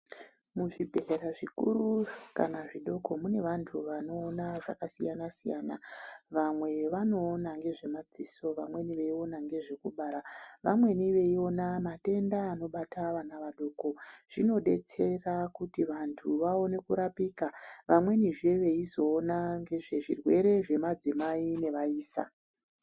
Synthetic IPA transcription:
muʐibʱe̞reɾaʐikṵɾuka̰naʐiɗo̞ko̞mune̞ʋantʰuʋano̞ːnaʐa̰kasijanasija̰ːna̰ʋamwe̞ʋano̞ːnaŋɡe̞ʐe̞mad͡ziso̞ʋamwe̞niʋe̞io̞naŋɡe̞ʐe̞kuɓaːɾaʋamwe̞niʋe̞io̞namate̞ndaːno̞ɓataʋanaʋaɗo̞ːko̞ʐ̥ino̞ɗe̞̰t͡se̞rakutiʋantʰuʋao̞ne̞kuɾapikaʋamwe̞niʐe̞ʋe̞izo̞ːnaŋɡe̞ʐe̞ʐḭrwe̞ɾe̞ʐe̞mad͡zimaine̞ʋaiːsa̰

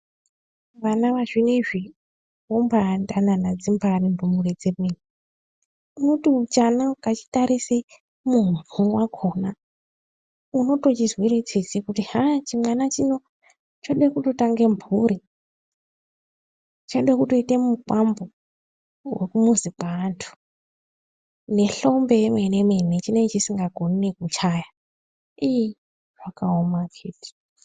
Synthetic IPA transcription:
ʋanaʋaʐineʐi | wombʱandananad͡zimbʱarimbumured͡zemeni | uno̞tiut͡ʃanakat͡ʃi̥taɾise | munuwakʰo̞ːna | uno̞to̞t͡ʃizwiɾet͡sesikutihat͡ʃimwanat͡ʃino̞ | t͡ʃaɗekuto̞taŋɡe̞mbʱuɾi | t͡ʃaɗekutoitemukambo | wekumuzipantʰu̥ | ne̞ɬo̞mbe̞menemenet͡ʃine̞ŋt͡ʃisiŋɡaɡʱo̞nekut͡ʃaja | iji | ʐakaomakʰeːti̥

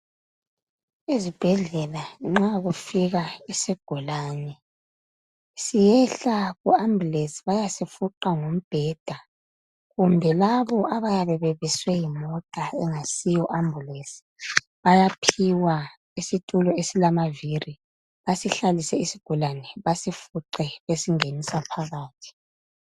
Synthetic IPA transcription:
izib̥ʱɛɮɛlaŋ͡ǁaɣufiɣaisiɡ̥ʱulaːnɛ | sijɛɬaɣuambʱulesi̥βajasifuǃaŋom̩b̥ʱɛd̥ʱa | ɣumbʱɛlaβɔʔaβajaβɛβeβiswɛjimɔtʼaɛŋasijɔʔambʱulesi̥ | βajapʰiwa | isitʼulɔesilamaviri | βasiɬalisɛisiɡ̥ʱulanɛβasifuǃɛβesiŋenisapʰaɣaːtʰi̥

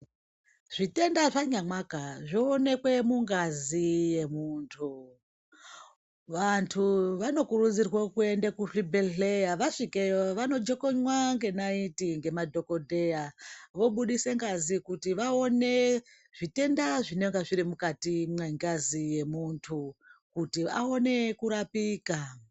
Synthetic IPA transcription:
ʐ̥ite̞ndaʐaɲamakaʐoːne̞kwe̞muŋɡazije̞muːntʰu | ʋantʰuʋano̞kurud͡zirwekue̞ndekufibʱeɬejaʋaʂikeoʋano̞d͡ʒeko̞ɲwaŋɡe̞naitiŋɡe̞madʱo̞ko̞dʱe̞jaʋo̞ɓuɗise̞ŋɡazikutiʋao̞ne̞ | ʐ̥ite̞ndaʐine̞ŋɡaʐiɾimukatimweŋɡazije̞muntʰukutia̰o̞ne̞kuɾapiːka

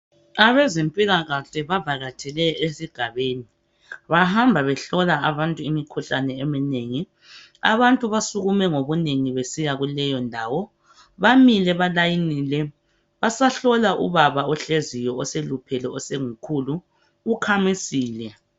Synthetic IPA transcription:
aβɛzempʼiɣaɣaɬɛβavaɣatʰɛlɛesiɡ̥ʱaβeːni | βahambʱaβɛɬɔlaaβantʼuimikʰuɬanɛemineŋi | a̰βantʼuβasuɣumɛŋoβuneŋiβesijaɣulɛjɔndʱaːwɔ | βamilɛβalajinilɛ | βasaɬɔlaʔṵβaβaɔɬezijɔɔselupʰɛlɛɔseŋukʰuluː | kʰamisiːlɛ

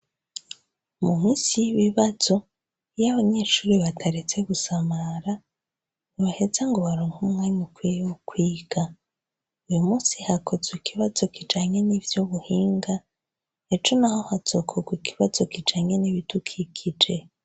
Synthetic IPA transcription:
mumiːsijiβiβaz̥o̞ | jaβaɲe̞ːʃuːɾiβatʰaɾet͡se̞βusamaɾa | niβahe̞zaŋɡo̞βaɾoːŋhumŋaːɲukwijewukwiːɡ̥a | ujumuːnsihako̞zwikiβazo̞kid͡ʒaːɲe̞nivjoβuhiːŋɡa | et͡ʃonaho̞haz̥okʰoɡwikʰiβazo̞kid͡ʒaːɲeniβitukʰikʰid͡ʒe̞

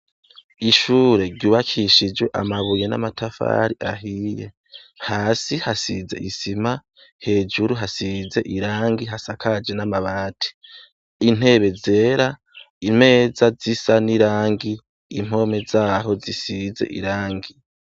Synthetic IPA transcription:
iʃuːɾe̞ɾɟuːβakʰiʃid͡ʒweʔa̰maβujena̰matʰafa̰ːɾiʔaɦiːje̞̰ | haːsihasize̞̰ʔisima | he̞ːd͡ʒuɾuɦasize̞ʔiɾaːŋɡiɦasakʰad͡ʒe̞namaβaːtʰi̥ | in̥e̞βe̞ze̞ːɾa | im̥e̞ːzazisaniɾaːŋɡiː | m̥ho̞me̞zaːɦo̞zisize̞̰ʔḭɾaːŋɡi

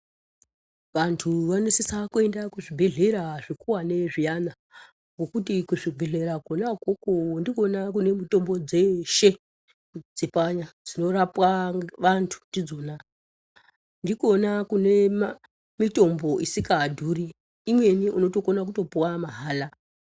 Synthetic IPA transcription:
ʋantʰuʋanesisakue̞ndakuʐibʱe̞ɮe̞ɾaʐikuwane̞ʐijana | ŋɡo̞kutikuʐibʱeɮe̞ɾakonakokondikonak̬une̞mito̞mbo̞d͡zeʃe | d͡zipaɲad͡zino̞ɾapwaʋantʰu̥ndid͡zo̞na | ndiko̞nakune̞ | mito̞mbo̞ʔisikadʱuːriː | mwe̞niʔuno̞to̞konak̬uto̞puwamaɦaːla

